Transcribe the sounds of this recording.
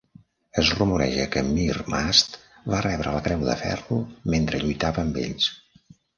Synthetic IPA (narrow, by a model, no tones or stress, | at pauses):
əzrumuɾɛ̰ʒəkəmirmast̪ | βarɛβɾələkɾɛwðə̰fɛ̰rument̪ɾəʎujt̪aβəːmbḛʎs